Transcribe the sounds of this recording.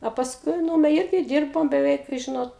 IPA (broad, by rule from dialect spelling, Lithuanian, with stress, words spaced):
oː pɐsˈkʊɪ ˈnuːmʲɛ ˈɪrʲɡʲɪ ˈdʲiːrboːm bʲɛˈʋʲɛɪk ˈʒʲɪnoːt